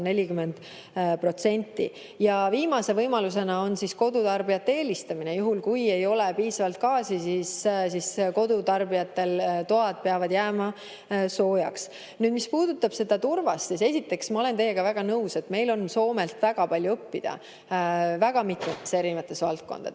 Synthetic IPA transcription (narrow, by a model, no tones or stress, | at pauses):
ne̞lʲikymːend̪̥ | pro̞t̪se̞nʲt̪ːˑḭ | jɑviːmɑse̞vɤjmɑlus̬e̞nɑo̞nsisko̞d̪ut̪ɑrbijɑt̪ːeeːlist̪ɑminejuɦulkuje̞jo̞lepiːsɑvɑlt̪̚kɑːsisiːssisko̞d̪ut̪ɑrbijɑt̪ːˑe̞lt̪oɑd̪̥̚pe̞ɑvɑd̪jæːmɑ | so̞ːjɑ̰ks | nyːd̪mispuːd̪ut̪ːˑɑb̥se̞d̪̥ɑt̪urvɑssise̞sit̪ːˑe̞ksmɑo̞le̞nt̪e̞jːe̞ɡ̥ɑvæɡ̥ɑnɤuwse̞t̪me̞jlo̞nso̞ːme̞lt̪væɡ̥ɑpɑlʲjuɤpːid̪̥ɑ̰ | væɡ̥ɑmit̪met̪ːese̞ɾinvɑt̪ːˑe̞svɑlt̪̚ko̞̰nd̥̪ɑ̰d̪̥